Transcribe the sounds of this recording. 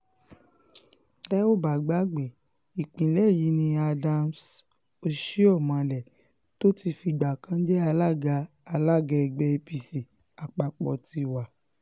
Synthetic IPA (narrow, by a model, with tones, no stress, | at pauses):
lɛ˦o˦˨ba˨ɡ͡ba˦ɡ͡be˨ | i˨k͡pĩ˨lɛ˦˨ji˨˦nĩ˧a˧dã˧ms | o˧ʃi˦ɔ˦˨mã˨lɛ˨ | to˦ti˧fi˧ɡ͡ba˨kã˦d͡ʒɛ˦a˧la˦˨ɡaː˧ | la˦˨ɡɛ˧ɡ͡bɛ˧e˧pi˧si˨ | a˨k͡pa˨k͡pɔ̰˨ti˧wa˨